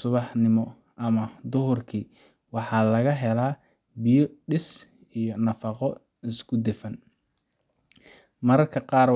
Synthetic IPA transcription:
sʊβɑħnɪmɔ | ʔɐmɐd̪ʊɦʊrkʰiː | wɑħɑːlɐɣɐɦɛlaː | bijɔɖɪs | ijɞnɐfɑqɔ | ɪskʰʊd̪ɪfɐn | mɐɾɐrkʰɐqɑːrw

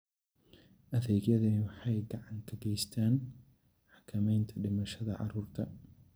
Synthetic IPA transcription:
ʔɐðɛːɡjɐðɐnwʊħɑjɡɐʕɑŋkʰɐɡɛjst̪ʰaːn | ħɑ̥kʰɐmɛjnt̪ʰɐɖɪmɐʃɐðɐʕɑ̰ruːrt̪ʰɐ

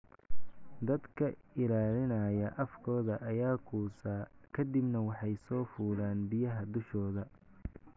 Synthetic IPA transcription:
d̪ɐd̪kʰɐɪlaːlɪnaːjɐʔɐfkʰɔːðɐʔɐjaːkʰuːsaːkʰɐd̪ɪbnɐwɑħɑjsɔːfuːlaːnbɪjɐɦɐd̪ʊʃɔːðɐ

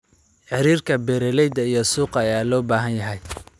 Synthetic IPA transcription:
ħɪɾiːrkʰɐbɛɾɛlɛjd̪ɐijɞsuːqɑːjaːlɔːbaːɦɐnjɐɦɛj

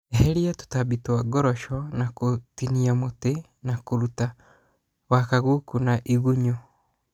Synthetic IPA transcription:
eɦɛɾiatu̥taβitwaɡɔɾɔʃɔnakotiniamote | nakoɾuta | wakaɣukunaʔiɣuɲo

